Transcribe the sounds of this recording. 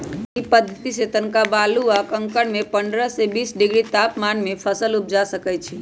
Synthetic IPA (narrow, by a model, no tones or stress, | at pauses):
ipəd̪ʱːət̪iset̪ənkabaluakə̃ŋkəɽmẽpəɳɖɾəsebiːsɖɪɡɾit̪apmanmẽpʰəsəlup̚d͡ʒasəkɛjt͡ʃʰe